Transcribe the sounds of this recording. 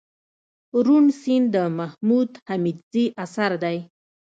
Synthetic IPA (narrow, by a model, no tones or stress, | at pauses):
ɾunsind̪əmahmud̪hamid̪ziʔasaɾd̪aj